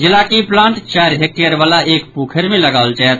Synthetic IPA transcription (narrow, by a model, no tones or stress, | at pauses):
d͡ʒɪlaːkiplãːɳʈt͡ʃaːɾɦek̚ʈeəɾʋaːlaʔeːkpuːkʰəɾmẽləɡaːʋəlt͡ʃaət̪